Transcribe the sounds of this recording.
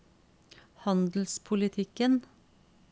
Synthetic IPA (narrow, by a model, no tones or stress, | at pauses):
hɑnd̪l̩spʰʊlɪt̪ʰɪkən